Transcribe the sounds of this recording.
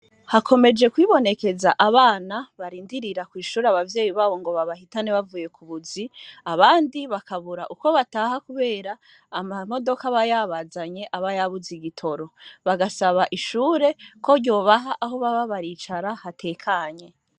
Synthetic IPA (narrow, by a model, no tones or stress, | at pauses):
hakʰo̞me̞d͡ʒe̞kwiːβo̞ne̞ke̞zaʔaβaːnaβaɾiːndiɾiɾakwiːʃuːɾeaβavje̞ːjiβaːβo̞ŋɡo̞βaβahitaneβavuːje̞kʰuβuziaβaːndiβakaβuɾaʔuko̞βataːɦakuβe̞ːɾaː | mamo̞do̞kaβajaβazaɲe̞ʔaβajaβuziɡitʰo̞ɾo̞βaɡasaβaʔiʃuːɾe̞ko̞ɾɟo̞ːβaɦaʔaɦo̞βaβaβaɾit͡ʃaɾahatʰe̞ːkʰaɲe̞